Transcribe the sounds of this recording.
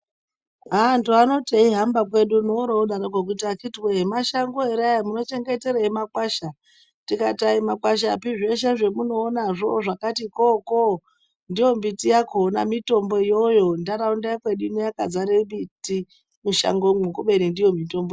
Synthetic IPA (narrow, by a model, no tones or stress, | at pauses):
ɦandoano̞taiɦambakwe̞ɗunoɾouɗaɾokok̬utakitwemaʃaŋɡoeɾajamuno̞t͡ʃe̞ŋɡe̞te̞ɾaimakwaʃa | tikataimakwaʃ̬apiʐeʃ̬eʐe̞muno̞ːnaʐo̞ʐakatikoko | ndijo̞mbitijakona̰mito̞mbo̞ijo̞jo̞ndaɾaundakweɗunojakad͡zaɾebiti | muʃa̰ŋɡomukuɓeɾindijo̞mito̞mbo